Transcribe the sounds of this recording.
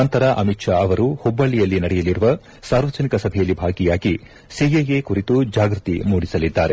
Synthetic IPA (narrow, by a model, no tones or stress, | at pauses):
ɐnt̪ɐɾɐʔɐmitʂaɐʋɐɾuhɔbːɐɭːijɐlːinɐɽɛjɐliɾuʋɐ | saːɾʋɐd͡ʒɐnikɐsɐbʱɛjɐlːibʱaːɡijaːɡi | sijejekuɾit̪ud͡ʒaːɡɾut̪imuːɽisɐlid̪ːaːɾe̞